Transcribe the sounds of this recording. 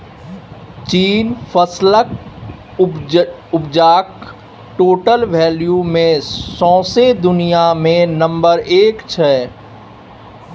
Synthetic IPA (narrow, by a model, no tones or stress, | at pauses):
t͡ʃiːnfʰəslək | ʊbd͡ʒaːk̚ | ʈoːʈəlʋɛːljumẽsɔ̃ːsed̪ʊnijamẽnə̃mbəɾeːkt͡ʃʰɛː